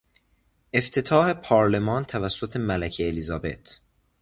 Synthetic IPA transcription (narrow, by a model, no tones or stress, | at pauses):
ʔe̞ft̪ʰe̞t̪ʰɒːhe̞pʰɒːɾle̞mɒːnt̪ʰævæsːot̪ʰe̞mælæcʰeːlizɒːbe̞̰t̪ʰ